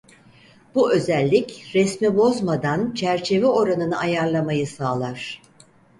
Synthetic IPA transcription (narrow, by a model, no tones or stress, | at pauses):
b̥uʔø̞zælʲːicɾɛsmibo̞zmad̪ant͡ʃʰæɾt͡ʃʰe̞vɛo̞ɾanɯnɯajaɾlˠamajɯsaːlˠaɾ̥